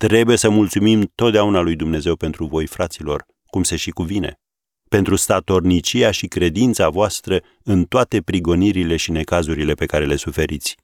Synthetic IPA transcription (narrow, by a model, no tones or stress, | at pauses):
t̪ɾe̞buje̞səmult̪sumimt̪o̞t̪̚d̪eaunalujd̪umne̞ze̞wpe̞nt̪ɾuvo̞jfɾat̪silo̞̰r | kumseʃikuvine̞̰ | pe̞nt̪ɾust̪at̪o̞rnit͡ʃijaʃikɾe̞d̪int̪savoast̪ɾə | ɨnt̪oat̪e̞pɾiɡo̞niɾile̞ʃine̞kazuɾile̞pe̞kaɾe̞le̞sufe̞ɾit̪sʲ